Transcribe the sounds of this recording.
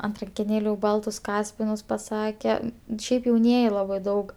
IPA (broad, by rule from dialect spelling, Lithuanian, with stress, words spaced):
ɐnt rɐŋʲkʲɛˈnʲeːlʲuː ˈbɐlˠtʊs ˈkɑːsʲpʲɪnʊs pɐˈsɑːkʲɛ ˈʃʲɛɪp jɛʊˈnʲiɛjɪ ˈlˠɑːbɐɪ ˈdɐʊk